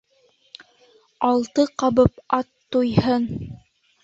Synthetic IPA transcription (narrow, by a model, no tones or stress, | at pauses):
ɑlˠt̪ɤqɑβɤpɑt̪ːujhɤn